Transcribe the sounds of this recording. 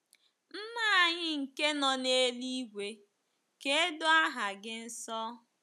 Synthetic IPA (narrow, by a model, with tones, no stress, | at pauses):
m̩˦ma˦˨ɲɪ˦ŋ̩˨ke˦nɔ˨ne˦li˦ɡʷe˨ | ke˦e˦dʊ˦a˦ɦa˨ɡɪ˦n̩˦sɔ˦